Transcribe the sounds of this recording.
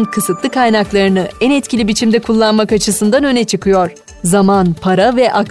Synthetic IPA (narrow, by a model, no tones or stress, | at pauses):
nkʰɯsɯt̪lˠɯkʰajnaklˠaɾɯnɯænɛt̪cʲʰilʲibit͡ʃʰimd̪ɛkʰulˠːanmakat͡ʃʰɯsɯnd̪anø̞nɛt͡ʃʰɯkʰɯjo̞ɾ̥ | zamanpʰaɾavɛʔak